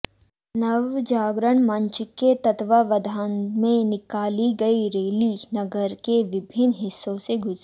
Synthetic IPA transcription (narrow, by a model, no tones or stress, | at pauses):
nɐʋd͡ʒaːɡɾəɳ̃mɐ̃ɲt͡ʃket̪ɐt̪ʋaʋɐd̪ʱaːnmẽnɪkaːliɡɐiɾeːlinɐɡəɾkeʋɪbʱɪnɦɪsːõseɡʱʊz